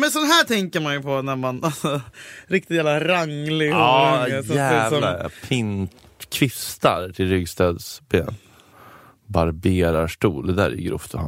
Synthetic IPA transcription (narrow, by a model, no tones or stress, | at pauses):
mɛnsɔnɦæːʈʰɛŋkəɾmanjɵpʰɔnæɾmanasɔɾɪk̚t̪ɪt̪jæːvlaɾaŋlɪɑːsævapʰɪnt̪ | kʰvɪst̪aɾt̪ʰɪlɾʏɡst̪ɑːd̪sbeːn | baɾbeːɾaʂʈuːld̪ɛd̪æ̰ɾɛjɪ̰ɡɾʔʊ̰ft̪ʰɔha̰n